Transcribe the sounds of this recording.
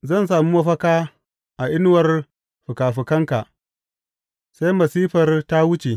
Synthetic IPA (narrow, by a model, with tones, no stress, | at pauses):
zɐ˦˨ns̬aː˨mu˦mɐ˦ɸɐ˦kaː˦ | ʔa˨ʔɪ˦n˦wɐ˦r | ɸʊ˨kaː˨ɸɪ˨kɐ˦ŋka˨ʔ | sa˦jmɐ˨siː˦ɸɐ˨rta˦wʊ˦t͡ʃe˨